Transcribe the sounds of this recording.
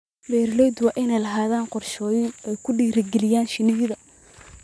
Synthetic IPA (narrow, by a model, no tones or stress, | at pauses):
bɛːɾlɔjd̪wɑːʔɪnɛjlɐɦaːðaːnqɔrʃɔːjɪɛjkʰʊɖiːɾɪɡɛlɪjaːnʃɪnɪɣɪðɐ